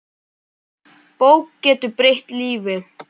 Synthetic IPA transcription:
poːwkcɛːt̪ʏpɾejht̪liːvɪ

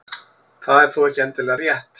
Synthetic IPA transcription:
θaðɛɾ̥θuɛhcɪɛnt̪ɪlɛːɣarjɛht̪

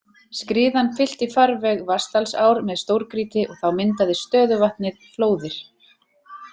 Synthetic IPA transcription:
skɾiːðanfɪl̥t̪ɪfaɾvɛɣvast̪alsaːwɾmɛðst̪owɾkɾiːt̪ɪʔɔɣθawmɪnt̪aðɪst̪œːðʏvaht̪nɪðfloːwðɪɾ̥

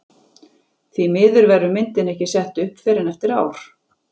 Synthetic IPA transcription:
θvimɪːðʏɾvɛɾʏmɪnt̪ɪnɛhcɪsɛht̪ʏhpfɛːɾɪnɛft̪ɪɾaːwɾ̥

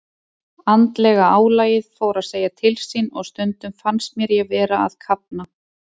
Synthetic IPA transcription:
ant̪lɛɣaaːwlaːjɪðfoːwɾaðseːjat̪ʰɪlsinɔ̰ɣst̪ʏnt̪ʏmfanst̪̚mjɛɾjɛɣvɛːɾaa̰ðkʰap̚na

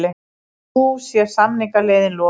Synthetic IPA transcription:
lɪ | usjɛɾ̥samnɪŋkaleːjðɪnlɔ

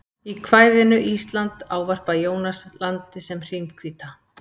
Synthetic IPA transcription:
ikʰvaːjðɪnʏʔist̪lant̪aːwvar̥pajoːwnaslant̪ɪsɛmr̥imkʰviːt̪a

